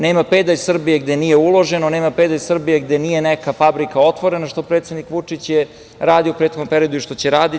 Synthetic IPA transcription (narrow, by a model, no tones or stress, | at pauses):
neːmaped̪ajsr̩bijeɡd̪enijeulˠo̞ʒe̞noneːmape̞d̪ajsr̩bijeɡd̪enije̞nekafabɾikao̞t̪ʋo̞ɾenaʃt̪o̞pɾet̪sʲed̪nikʋut͡ʂit͡ɕje | ɾaːd̪ioupɾet̪xoɡ̪nompeɾijo̞d̪uiʃt̪o̞t͡ɕeɾaːd̪i